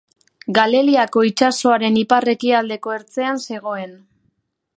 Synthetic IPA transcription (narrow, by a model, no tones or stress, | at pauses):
ɡale̞liako̞it͡ʃaso̞aɾe̞nipare̞kiald̪e̞ko̞e̞ɾt͡se̞anse̞ɣ̞o̞e̞n